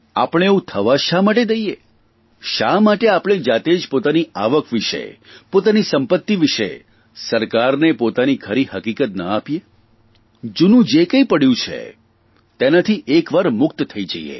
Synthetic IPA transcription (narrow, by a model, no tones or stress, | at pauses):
a̰pəɽ̃eeũt̪ʰəʋaʃamaʈed̪əije | ʃamaʈeapɽ̃ed͡ʒat̪ed͡ʒpot̪aniaʋəkʋɪʃḛpot̪anisəmpət̪ːiʋɪʃḛ | səɾkaɾnepot̪anikʰəɾihəkikət̪nə̰apje | d͡ʒunũd͡ʒekəipəɽjũt͡ʃʰḛ | t̪enat̪ʰiʔekʋaɾmʊkt̪t̪ʰːəid͡ʒə̰ḭḛ